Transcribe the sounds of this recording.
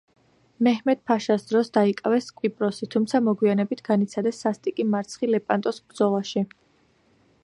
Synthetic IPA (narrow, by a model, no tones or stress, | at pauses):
mɛhmɛt̪̚pʰaʃasd̪ɾɔsd̪aikʼavɛskʼwipʼɾɔsit̪ʰumt̪sʰamɔɡwianɛbit̪ʰɡ̥anit̪sʰad̪ɛsːast̪ʼikʼimaɾt̪sʰχilɛpʼant̪ʼɔsbɾd̪zɔlˠaʃi